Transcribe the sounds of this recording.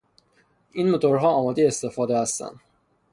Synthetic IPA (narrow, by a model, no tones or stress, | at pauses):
ʔinmot̪ʰoɾɦɒːɒːmɒːd̪ejeest̪e̞fɒːd̪ehæst̪æ̰nd̪̥